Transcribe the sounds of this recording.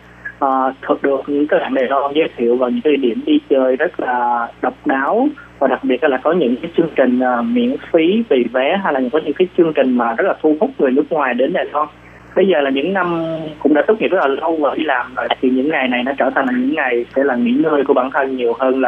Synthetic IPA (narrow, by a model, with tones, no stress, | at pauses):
ʔəː˨˩t̪ʰɨ˨˩k̚ɗɨ˨˩ək̚ɲɨ̰˧˥ŋkəː˧˦haː˧˩ŋɗaː˨˩lwa˧nzəː˨˦jt̪ʰḭ˧˨əwvaː˨˩wɲɨ̰˧˥ŋka˨˦˨i˧˨˦ɗḭ˧˩əmɗi˧t͡ɕəː˧˩jzə˦˥t̚laː˨˩ɗə˨˩wk͡p̚ɗaː˨˦wvaː˨˩ɗa˨˩k̚ɓi˨˩ət̚la˨aː˨˩kɔ˨˦ɲɨ̰˧˥ŋkaː˨˦jt͡ɕɨ˧əŋt͡ɕï˨˩ŋ̟ʔəː˨˩mḭ˧˥ənfi˨˦vi˨˩vɛ˨˦ɦa˧jlaː˨˩ɲɨ̰˧˥kɔ˨˦ɲɨ̰˧˥ŋkaː˨˦jt͡ɕɨ˧əŋt͡ɕï˨˩ŋ̟maː˨˩zə˦˥t̚laː˨˩t̪ʰu˧hʊ˦˥t̚ŋɨ˨˩nɨ˦˥k̚ŋwaː˨˩jɗe˨˦nɗaː˨˩jlwɔ˧n | ɓə˧jzəː˨˩laː˨˩ɲɨ̰˧˥ŋna˧mkʊ̰˧˥ŋ͡mɗaː˧˥t̪k͡p̚ŋḭ˧˥zə˦˥laː˨˩lə˧wvə̰ː˧˩i˨˧laː˨˩mzə̰ː˧˨t̪ʰi˨˩ɲɨ̰˧˥ŋːa˨˩jna˨˩jnɔ˨˦t͡ɕəː˧˩t̪ʰa˨˩ŋ̟laː˨˩ɲɨ̰˧˥ŋːa˨˩jsɛ̰˧˥laː˨˩ŋḭ˧˥nəː˧jku˧˩ɓaː˧˩nt̪ʰə˧nɲi˨˩əwɦəː˧nlaː˨˩